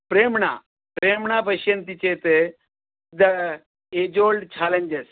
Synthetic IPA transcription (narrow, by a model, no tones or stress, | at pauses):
pɾeːmɳa̰ | pɾeːmɳapəɕjɐnt̪it͡ɕet̪e | d̪ɐ | ed͡ʒolɖt͡ɕaːleɲd͡ʒes